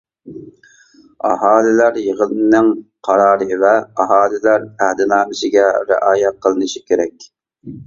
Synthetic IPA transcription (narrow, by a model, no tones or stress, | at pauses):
ɑ̰ɦɑːlɪlæɾjəʁəlˠɨnɪnɪŋqʰɑɾɑːɾɨvɛɑɦɑːlɪlæɾæhd̪ɪnɑːmɪʃɪɡʲɛɾɪ̰ʔɑːjɛt̪̚qʰəlˠɨnɨʃi̥kʲʰeɾɛkʲ